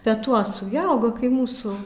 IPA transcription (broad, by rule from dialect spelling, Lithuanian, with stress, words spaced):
pʲɛˈtuɔsʊ ˈjɪ ˈɐʊɡɐ kɐɪ ˈmuːsuː